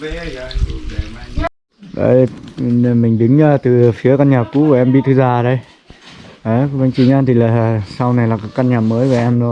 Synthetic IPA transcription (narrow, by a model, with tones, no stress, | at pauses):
ɗə̰˧˩j | mï˨˩ŋ̟ɗɨ˨˦ŋəː˧t̪ɨ˨˩˨fi˨˦əka˧nɲaː˨˩ku˧˦kaː˨˩ʔɛ˧mɓi˧t̪ʰɨ˧zaː˧˨˩ɗə˨˧˦j | ʔə˨˦və˧ŋt͡ɕi˧˨˩ɲaː˧t̪ʰi˨˩laː˨˩sa˧wna˨˩jlaː˨˩kaː˨˦kːa˧nɲaː˨˩məː˨˦jva˨˩ʔɛ˧mɗɔ˨˦